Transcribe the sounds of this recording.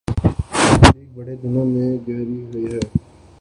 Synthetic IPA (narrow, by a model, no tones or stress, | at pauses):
ɾeːk̚bəɽed̪ɪnõmẽːɡɛɦɾiɦʊiɦɛː